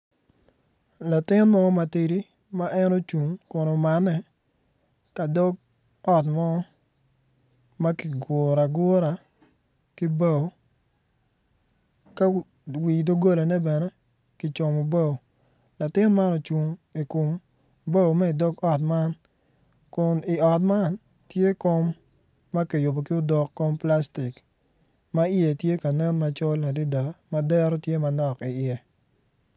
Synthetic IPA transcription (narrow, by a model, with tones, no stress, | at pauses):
la˨tɪ˦nmɔ˦ɔ˦ma˨ti˨ɾi˦ | ma˦ʔɛ˦no˦t͡ʃu˨ŋko˨no˨ma˨nːɛ˨ | ka˨dɔ˦ɡ̚ | ɔ˦tmɔ˦ | ma˦ki˨ɡʊ˨ɾa˨ɡʊ˦ɾa˨ | ki˦ba˨o˨ | ka˦ | wi˨do˦ɡo˦la˨nɛ˦bɛ˨nɛ˦ | ki˨t͡ʃɔ˨mo˨bo˦˨w | la˨tɪ˦nma˦nɔ˨t͡ʃu˨ŋi˨ku˨m | bo˦wmɛ˦ɪ˨do˦kɔ˨t̚ma˦n | kʊ˨nɪ˨ɔ˨t̚ma˦n | tje˦ko˦mː | ɐ˦kɛ˨jʊ˨bo˨kɪ˦ʊ˦dɔ˨kːo˦mpla˦sti˨k | ma˦ɪe˨tje˦ka˨nɛ˦nma˨t͡ʃɔ˦la˨di˦da˨ma˦dɛ˦ɾɔ˦tje˦ma˨nɔ˨kɪ˨ɪɛ˨